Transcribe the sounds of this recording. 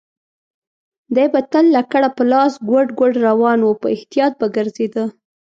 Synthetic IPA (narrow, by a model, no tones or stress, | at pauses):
d̪ajbat̪əlːakaɽapəlɑsɡwəɖɡəɖɾawɑnwəpə̰ɪht̪ijɑt̪̚baɡəɾzed̪ə